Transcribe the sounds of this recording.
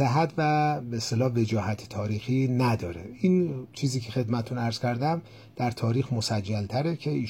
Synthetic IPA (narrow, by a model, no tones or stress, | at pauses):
sæɦæt̪væbeest̪elɒːve̞d͡ʒɒːhæt̪ʰet̪ʰɒːɾiːxinæd̪ɒːɾeint͡ʃʰiːziːcʰe̞xe̞d̪mæt̪ʰet̪ʰunæɾz̥cʰæɾd̪æm | d̪̥æɾt̪ʰɒːɾiːxmosæd͡ʒːælt̪ʰæɾecʰe̞iː